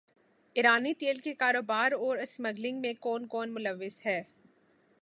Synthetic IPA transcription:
ɪɾaːnit̪eːlkekaːɾoːbaːɾɔːɾɐsmɐɡlɪ̃ŋɡmẽkɔːnkɔːnmʊləʋːɪzhɛː

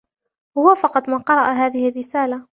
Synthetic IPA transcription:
wahʊwafɑqɑt̪ˤmaːqɑɾˤɑʔaɦaːðɪhɪrːɪsaːla

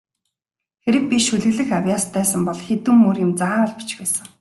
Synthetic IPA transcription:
xeɾɘ̆k̚pʲiʃuɮɘ̆ɣɮɘ̆xawjaːst̪ʰːæːsə̆mpɔɮxet̪uːmːurɪ̆mt͡saːɮpi̥t͡ɕxeːsə̆ŋ

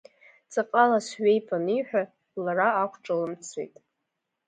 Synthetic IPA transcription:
t͡sʼaqʼalasɥejpʰʼaniħᶣʷa | laraːkʷʰʈ͡ʂʼalɨmt͡sʰḛjtʼ

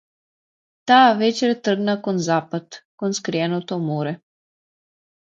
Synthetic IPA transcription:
t̪aːʋɛt͡ʃɛɾt̪ər̩ɡnakɔnzaːpat̪kɔnskɾijɛnɔwt̪ɔmoːɾɛ

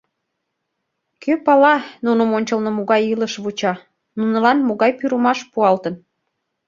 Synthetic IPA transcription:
kʰøpɑlɑnunəmonʲt͡ɕəlnə̆moɣɑjiləʃβut͡ɕɑ | nunə̆lɑnmoɣɑjpyɾəmɑʃpuɑlt̪ən

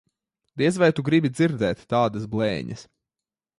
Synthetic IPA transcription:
d̪iɛzvajt̪uɡɾibid̪ziɾd̪ɛːt̪ːaːd̪ɐs̬blˠɛ̰ːɲɐ̰s

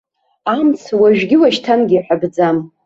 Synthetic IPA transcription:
amt͡sʰwaʒᶣɡʲɪwaʃtʰanɡʲiːħʷabd͡zam

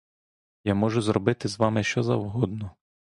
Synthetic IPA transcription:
jamɔʒʊzɾɔbɪt̪ɪzʋɑmɪʃt͡ʃɔzɐwɦɔd̪nɔ

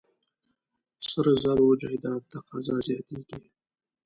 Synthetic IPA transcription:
səɾzaɾod͡ʒahd̪ɑnt̪aqɑzɑzjɑt̪eɡ̥i

